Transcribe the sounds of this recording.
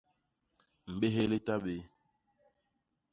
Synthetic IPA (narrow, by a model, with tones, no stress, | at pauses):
m̩˨ɓe˦ɦe˦le˦ta˦ɓe˨˦